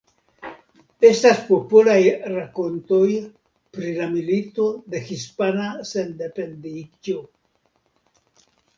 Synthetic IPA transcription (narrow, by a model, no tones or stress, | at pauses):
e̞staspo̞polajɾako̞nto̞j | pɾilamilit̪o̞de̞xispanasende̞pe̞ndid͡ʒo